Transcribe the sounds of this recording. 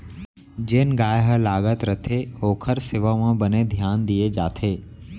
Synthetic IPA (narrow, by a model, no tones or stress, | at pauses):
d͡ʒeːnɡaːjɦəlaːɡət̪ɾət̪ʰeoːkʰəɾseʋaʋãbəned̪ʱjaːnd̪ied͡ʒaːt̪ʰeː